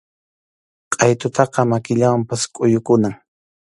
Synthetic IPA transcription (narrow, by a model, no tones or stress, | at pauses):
qʼɑjt̪ʊt̪ɑqɑmakɪʎawampaskʼʊjʊkʊnaŋ